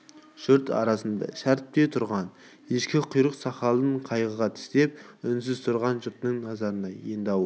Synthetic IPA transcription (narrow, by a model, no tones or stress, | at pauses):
ʒ̥ʊɾt̪ɑ̰ɾɑsənd̪ɑ̰ʃæɾt̪̚t̪e̞t̪ʰʊɾʁɑn | jeʃkʲɪqʰʊjɾəqsɑχɑlˠəɴqʰɑjʁəʁɑt̪ʰɪ̥st̪e̞p̚ʏns̬ɪz̥t̪ʰʊɾʁɑnʒʊɾt̪nəŋnɑzɑɾənɑjḛnd̪ɑw